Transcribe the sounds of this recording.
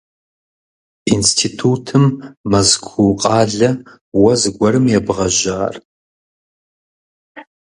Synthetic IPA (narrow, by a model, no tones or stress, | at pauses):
instʰiːtʰuːtʰɨmːɐzkʷʰuqʼɑːɮɐ | wɐzɨɡʷɐɾɨmjɛbʁɐʒaːr